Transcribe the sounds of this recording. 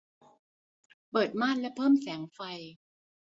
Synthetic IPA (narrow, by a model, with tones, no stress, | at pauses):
pɤː˨˩t̪̚maː˥˩t̪̚lɛ˦˥pʰɤː˥˩msɛː˩˦ŋfa˧j